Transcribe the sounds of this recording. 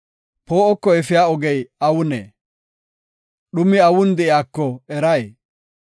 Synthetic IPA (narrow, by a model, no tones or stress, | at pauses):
po̞ːʔɔkːɔɛfɪjaːɔɡɛjɐwʊnḛː | ɗʊmɪɐwʊnd̪ɛʔjaːkːɔɛɾɐj